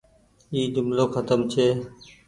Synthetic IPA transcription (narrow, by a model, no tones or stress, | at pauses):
iːd͡ʒʊmloːxət̪əmt͡ʃʰeː